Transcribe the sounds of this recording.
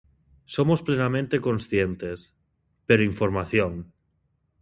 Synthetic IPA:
somosplenamẽnt̪eko̞nsθjent̪es | peɾoiɱfoɾmaθjoŋ

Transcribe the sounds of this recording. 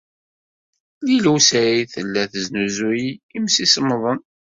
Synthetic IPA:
liluwsæiθəlːæθəznuzujimsisəmːðˤən

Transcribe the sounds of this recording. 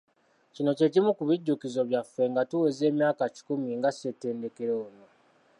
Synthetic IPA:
cino̞ce̞cimukuβiɟːukizo̞βjafe̞ŋɡatuweze̞ːmjaːkaci̥kumiŋɡasete̞ːnde̞ke̞ɾo̞ːno

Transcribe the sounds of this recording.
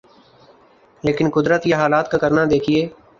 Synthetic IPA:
leːkɪnkʊd̪ɾət̪jaɦaːlaːt̪kakəɾnad̪eːkʰieː

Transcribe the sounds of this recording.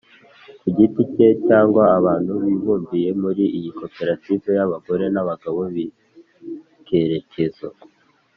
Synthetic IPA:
kuɟitice̞caːŋɡwaːβaːn̥huβiβuːɱvije̞muɾiʔijiko̞pe̞ɾative̞jaβaɡo̞ɾe̞naβaɡaβo̞βi | ke̞ɾe̞ce̞zo

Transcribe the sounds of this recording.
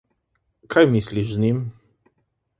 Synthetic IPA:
kajmislʲiʐznʲim

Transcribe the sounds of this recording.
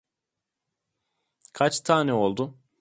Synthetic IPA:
kʰat͡ʃt̪ʰaːnɛo̞lˠd̪ʊ

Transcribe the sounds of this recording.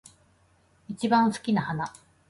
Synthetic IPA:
it͡ɕibãɰ̃sɨ̥kʲinahana

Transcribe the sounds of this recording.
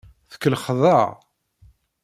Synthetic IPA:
θə̥kːəlχðˤəʁ

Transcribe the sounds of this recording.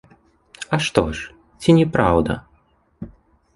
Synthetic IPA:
ɐʂt̪ɔ̰ʂ | t͡sʲinʲɛpɾawd̪ɐ̰

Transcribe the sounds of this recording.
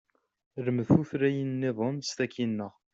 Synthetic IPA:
ɾəmðθuθɾæjənːɪðˤomst̪ækinːəʁ

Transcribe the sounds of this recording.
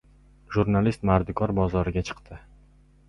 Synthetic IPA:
ʒuɾnalist̪maɾd̪ɪkʰʲɒɾbɒzɒɾɪɡʲat͡ʃʰɨ̥qt̪ʰɪ

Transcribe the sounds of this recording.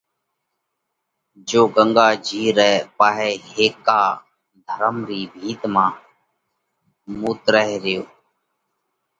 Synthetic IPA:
d͡ʒoːɡəŋɡaːd͡ʒʱiːɾɛːpaːɦeːɦeːkaː | d̪ʱəɾəmɾiːbʱiːt̪mãː | muːt̪ɾəɦɾɪjoː

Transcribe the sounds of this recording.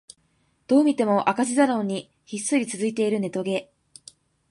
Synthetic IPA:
d̪̥o̞ːmʲit̪e̞mo̞ʔakaʑizaɾõ̞ɲ̟ːi | çisːɨɾʲit͡sɨzɨit̪e̞iɾɯ̟ne̞t̪o̞ɡe̞

